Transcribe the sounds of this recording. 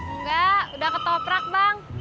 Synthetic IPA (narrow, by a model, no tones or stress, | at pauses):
ŋɡaudahkət̪opɾak̚baŋ